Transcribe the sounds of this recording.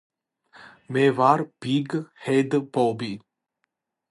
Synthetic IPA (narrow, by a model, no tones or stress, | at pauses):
mevaɾpiɡhed̪pobi